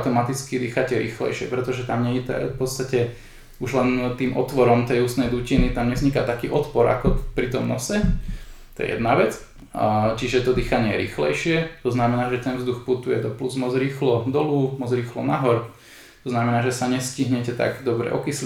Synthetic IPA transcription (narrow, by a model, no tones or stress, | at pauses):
at̪ɔmat̪it͡skid̪iːxacɛɾḭːxlɛ̰jʃɪɛpɾɛt̪ɔʒɛt̪amɲɛɛt̪ɛ̰fpɔt̪st̪acɛ | uʒlɛnt̪iːmʔɔt̪ʋɔɾɔmt̪ɛjuːst̪nɛjd̪uːcinit̪amɲɛzɲikat̪akiːʔɔt̪pɔɾa̰kɔpɾit̪ɔmnɔsɛt̪ɔjɛ̰jɛ̰d̪naʋɛt͡s | t͡ʃiʒɛt̪ɔd̪iːxaɲɪɛɾḭːxlɛ̰jʃɪɛt̪ɔznamɛnaːʒɛt̪ɛnʋvzd̪uxput̪ujɛd̪ɔpluzmɔd͡zɾiːxlɔd̪ɔlumɔzɾiːxlɔnaɦɔɾ | t̪ɔznamɛnaːʒɛsaɲɛsciɦɲɛcɛt̪a̰ɡd̪ɔbɾɛ̰ʔɔkisl